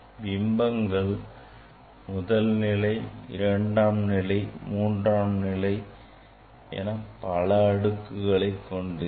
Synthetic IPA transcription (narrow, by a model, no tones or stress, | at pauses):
ʋɪmbɐŋɡɐɭ | mʊðɐlnɪlɐɪɪ̰ɾɐɳɖaːmnɪlɐɪmuːɳdraːmnɪlɐɪ | ḛːnaːpɐlɐɐɽɯkːɯɣɐɭɐɪkːɔɳɖɯ